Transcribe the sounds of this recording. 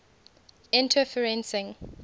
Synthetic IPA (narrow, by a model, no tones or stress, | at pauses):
ɪ̃ntʰəfəɹɛ̃nsɪ̃ŋ